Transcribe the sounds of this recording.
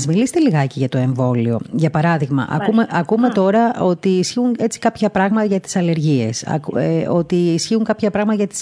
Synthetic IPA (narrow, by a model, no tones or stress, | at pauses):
zmilist̪eliɣɐciʝɐt̪o̞e̞ɱvo̞lio̞̰ʝɐpɐɾɐðiɣmɐ̰ʔɐ̰kumeʔɐkume̞t̪o̞ɾɐo̞t̪iːsçiuŋe̞t͡si̥kɐpçɐpɾɐɣmɐt̪ɐʝɐt̪i̥sɐle̞ɾʝie̞sɐ̰ko̞t̪iːsçiuŋkɐpçɐpɾɐɣmɐt̪ɐʝɐt̪i̥s